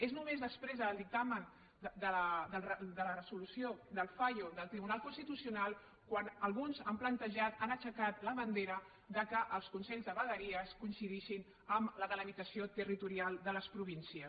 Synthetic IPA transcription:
eznumezðəspɾezðəlˠd̪ik̚t̪amən | d̪ələðəlrəd̪ələrəzulusjod̪əlˠfaʎuðəlˠt̪ɾiβ̞unalˠkunst̪it̪usiunalˠ | kwanəlˠɣunzəmplənt̪əʒat̪anət͡ʃəkat̪ləβənd̪eɾə | d̪əkəʔəlˠskunsɛʎzðəβəðəɾiəskuinsiðeʃin | əmləðələβit̪əsiot̪ərit̪uɾialˠd̪ələspɾuβinsiə

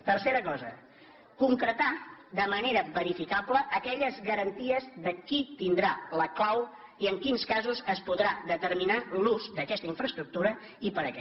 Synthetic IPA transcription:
t̪ərseɾəkɔzə̰ | kuŋkɾət̪ad̪əməneɾəβəɾifikabləʔəkɛʎəzɣəɾənt̪iəzðəkit̪ind̪ɾaləklaw | iəŋkinskazuzəspuðɾaðət̪ərminaluzd̪əkɛst̪əiɱfɾəst̪ɾuk̚t̪uɾə | ipəɾəkɛ

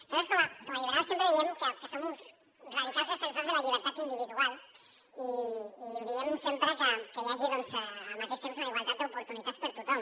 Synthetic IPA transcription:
t̪oeskomakomaʎiβɾat̪sjempɾeðiemukəkəsomus | raðik̪azðospensanzðelaʎiβ̞əɾt̪at̪ind̪iβiðual | iː | ðiemusempɾəkəkəʎaʒiɣonsaːnakest̪ems̬unaliβeɾt̪at̪d̪əupuɾt̪unit̪at̪spəɾt̪ut̪om

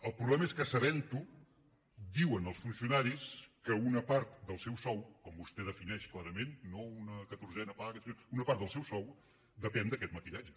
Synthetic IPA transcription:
əlˠpɾuβlɛməeskəsəβɛnt̪u | d̪iwənəlˠsfunsiunaɾiskəunəpaɾt̪̚d̪əlˠsɛwsɔwkɔmbust̪ɛðəfinɛʃklaɾəmenːounəkət̪urzɛnəpaɣəsinounəpaɾt̪d̪əlˠsɛwsɔw | d̪əpɛnd̪əkɛt̪məkiʎad͡ʒə

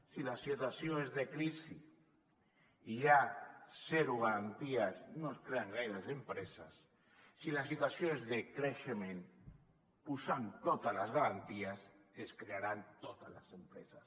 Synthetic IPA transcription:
silasːit̪waθjoezðekɾisi | ʎaseɾuɣaɾant̪iasnoeskɾeaŋɡajlesempɾesasː | ilasːit̪waθjonezðekɾeʃemẽn | pusant̪ot̪alazɣaɾant̪iaseskɾeaɾant̪ot̪alasempɾesas

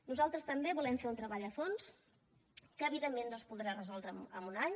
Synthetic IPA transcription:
nuzalˠt̪ɾəst̪əmbeβulɛmfeɾunt̪ɾəβaʎəfons | kəːβiðemːẽnnospulˠðɾarəzɔlˠd̪ɾəməmunaɲ

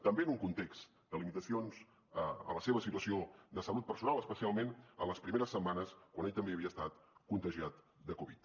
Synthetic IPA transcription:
t̪əmbeənuŋkunt̪eks | d̪əlimit̪əsionz | əə̰ləseβəsit̪uəsiod̪əsəlut̪̚pəɾsunalˠəspəsialˠmenə̰ləspɾimeɾəsːəmːanəskwaneʎt̪əmbeəβiəst̪at̪kunt̪əʒiat̪ | d̪əkuβit̪

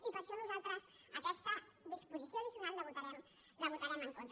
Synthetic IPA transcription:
ipaɾsɔnuzalt̪ɾas | akɛst̪a | ðispuzisjoaðisjunallaβut̪aɾɛm | laβut̪aɾɛmeŋkont̪

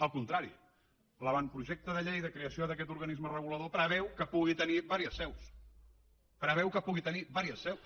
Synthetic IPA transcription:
əlˠkunt̪ɾaɾḭ | ləβampɾuʒek̚t̪əðəʎejðəkɾeəsioðəkɛt̪uɾɣənizmərəɣ̞uləðopɾəβ̞ɛwkəpuɣit̪əniβaɾiəsβɛws | pɾəβɛwkəpuɣit̪əniβaɾiəsːɛws

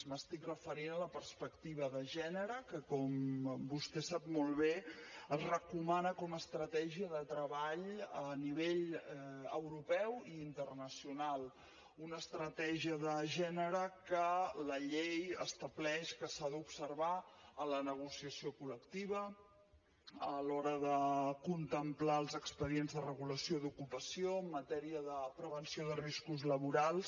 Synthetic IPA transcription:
məst̪ikrəfəɾinələpərspəkt̪iβ̞əðəʒɛnəɾəkəkɔmbust̪ɛsapmɔlˠβeəzrəkumanəkɔməst̪ɾət̪ɛʒiəðət̪ɾəβaʎəniβ̞eʎ | ə̰wɾupɛwiint̪ərnəsiunalˠ | unəst̪ɾət̪ɛʒiəðəʒɛnəɾəkələʎejə̰st̪əβlɛʃkəsaðəupsərβaələnəɣ̞usiəsiokuləkt̪iβə | əlɔɾəðəkunt̪əmplaəlˠzəkspəðienzðərəɣuləsioid̪ukupəsioəmːət̪ɛɾiəðəpɾəβənsioðəriskuzləβuɾalˠs

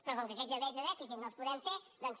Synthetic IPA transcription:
pɾɔkɔŋkɐkɛzəβɛjzðəðɛfis̬it̪nõspuðɛmfed̪ɛms

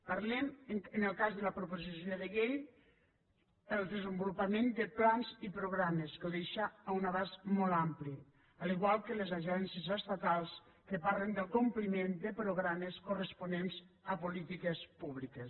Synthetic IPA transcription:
paɾlɛməŋənəlˠkazðəlapɾopozisjoðeʎeʎ | əlˠd̪əzəmbulupamend̪əplanzipɾoɣɾameskəðeʃaːunaβazmɔlˠampli | aliɣwalˠkələzaʒɛnsezəst̪at̪alˠs | kəpaɾlənd̪əlˠkumplimend̪əpɾoɣɾaməskurəspunenzəpulit̪ikespuβlikes

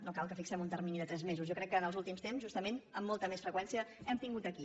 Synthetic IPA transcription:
nokalˠkəfiksɛmunt̪ərminiðət̪ɾɛzmezuzjɔkɾɛkːəːnəlˠzulˠt̪imst̪emzʒust̪əmenəmːɔlˠt̪əmesfɾəkwɛnsiəɛmt̪iŋɡut̪əki

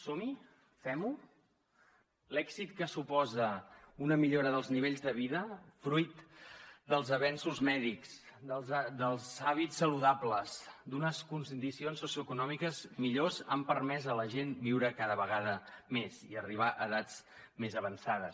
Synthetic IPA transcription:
somi | fɛmu | lɛksit̪̚kəsupɔzəunəmiʎoɾəðəlˠzniβeʎzðəβiðəfɾujt̪d̪əlˠzəβɛnsuzmɛðikzd̪əlˠzd̪əlˠzaβitsːəluðapləzd̪unəskunsd̪isionsːusjuəkunɔmikəzmiʎozampəɾmɛzələʒenbiwɾəkaðəβəɣ̞aðəmeziəriβ̞aʔəðat͡s | mezəβənsaðəs

